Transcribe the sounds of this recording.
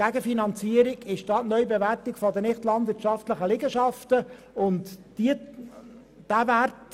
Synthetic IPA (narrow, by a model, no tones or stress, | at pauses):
æɡəfinɑnt͡siːəɾiɡɪʃd̥ɑːtnœʏbeværtɪɡfɔdənɪχtlɑnd̪vɪɾtʃɑftləχəlɪɡəʃɑftə | ʊnt̪d̥iə | d̥ævært